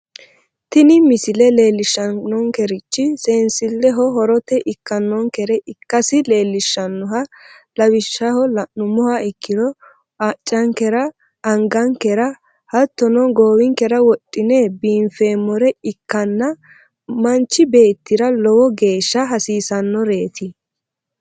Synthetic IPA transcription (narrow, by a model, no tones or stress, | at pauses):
t̪ɪnɪmɪsɪlɛle̞ːlːɪʃːɐːɔŋkɛɾɪt͡ʃːɪseːnsɪlːɛɦɔɦɔɾɔt̪ɛʔɪkːɐnːɔŋkɛɾɛʔɪkːɐsɪle̞ːlːɪʃːɐnːɔɦɐ | lɐwɪʃːɐhɔnʊmɔhɐɪkːɪdɔ | t͡ʃʼːɐŋkɛɾɐ | ɐŋɡɐŋkɛɾɐ | hɐt̪ːɔnɔɡoːwɪŋkɛɾɐwɔtʼːɪnɛbiːɱfeːmːɔɾɛɪkːɐnːɐ | mɐnt͡ʃːɪbe̞ːt̪ːɪɾɐlɔwɔɡe̞ːʃːɐɦɐsiːsɐnːɔɾe̞ːt̪ʰɪ